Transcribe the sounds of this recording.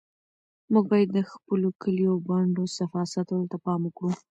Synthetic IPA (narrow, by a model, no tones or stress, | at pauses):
muɡ̚bɑjad̪ːəxpəlokʰəliawɡaɳɖosafɑsat̪wəlt̪apɑmukɽu